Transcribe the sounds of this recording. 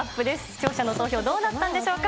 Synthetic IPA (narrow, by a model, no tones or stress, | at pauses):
pːɯ̟d̪e̞sɨ̥t͡ɕo̞ːɕanot̪o̞ːço̞ːd̪o̞ːnat̪ːãnd̪e̞ɕo̞ːka